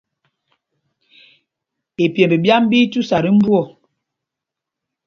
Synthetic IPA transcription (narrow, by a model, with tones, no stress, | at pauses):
e˨pjɛ˨mbi˨bja˦m˦bi˦tu˦sa˨ɾi˦m̩˦bwɔ˦˨